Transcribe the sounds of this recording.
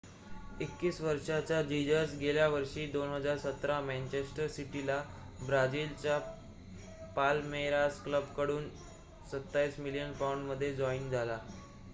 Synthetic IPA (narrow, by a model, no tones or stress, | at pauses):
ekːiːsʋəɾʂat͡ɕjad͡ʑid͡ʑəɾs̬ɡeljaʋəɾʂiːd̪onɦəd͡zaɾsət̪ɾamɛnt͡ɕesʈəɾsiʈila | bɾad͡ʑiːlt͡ɕa | palmeɾaskləbkəɽuːn | sət̪ːaiːsmilijənpawɳɖməd̪ʱːjed͡ʑɔind͡zʱala